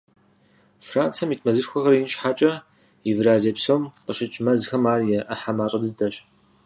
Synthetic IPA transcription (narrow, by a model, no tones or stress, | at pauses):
fraːnt͡sʰɐmitʰmɐzɨrxʷɔxɐɾjinʃħaːt͡ʃʼɐ | jivɾaːzeːpsoːmqəɕɪt͡ʃʼmɐzxɐmaːrjɛʔɐħamaːɕʼɐdɨdʰɐɕ